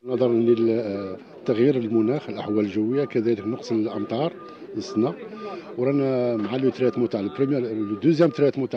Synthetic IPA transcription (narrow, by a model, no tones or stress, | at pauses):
nɑd̪ˤɑɾˤnlil | t̪ːaɣjiɾəlmʊnæxəlʔəħwæləlʒəwːəjːakæd̪æləknʊqsˤəlʔəmt̪ˤɑɾˤ | ləsnæwɾˤɑnæmʕalit̪ɾæt̪mʊt̪aʕpɾəmjd̪uzjæmt̪ɾæt̪mʊt̪a